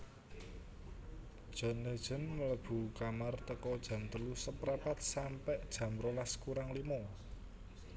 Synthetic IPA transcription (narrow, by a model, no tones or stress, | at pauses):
d̥ʒ̥ɔ̤ned̥ʒ̥ə̤nmələb̥ṳkamart̪əkɔd̥ʒ̥ä̤nt̪əlusəpɾapat̪̚sampɛʔd̥ʒ̥ä̤mɾolaskuɾaŋlimɔ